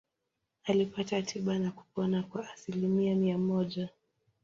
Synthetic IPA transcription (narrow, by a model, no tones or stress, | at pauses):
alipatatʰiɓanaku̥pɔnakwaʔːsilimiamiamɔʄa